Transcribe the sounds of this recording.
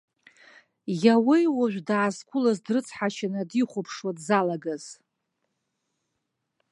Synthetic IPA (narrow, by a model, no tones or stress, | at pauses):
jawijwaʒʷᶣdaːzkʷʰʼʊlazdrɨt͡sʰħat͡ʃʰanadiχʷopʰʂwadzalaɡaz̥